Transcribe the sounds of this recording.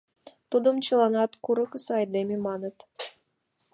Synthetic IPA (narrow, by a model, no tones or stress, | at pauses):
t̪ud̪ɤ̆mt͡ɕɤ̆lˠɑnɑt̪kuɾɤ̆kəsɤ̆ɑjd̪ememɑnɤ̆t̪